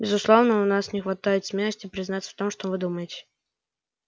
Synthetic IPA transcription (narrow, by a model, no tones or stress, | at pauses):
bʲɪzʊslˠo̞vnəʊnasnʲɪxvɐt̪ajɪt̪smʲelˠəsʲtʲɪpɾʲɪznat̪sə̥ft̪o̞mʂt̪ovɨd̪uməjɪtʲɪ̥